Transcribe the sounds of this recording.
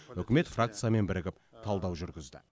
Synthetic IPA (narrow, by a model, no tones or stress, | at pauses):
ɵkʲɪme̞t̪frak̚t̪sɨjame̞nbɪɾɪɡʲɪp̚t̪ʰɑlˠd̪ɑwʒʏɾɡʲɪzd̪ɪ̰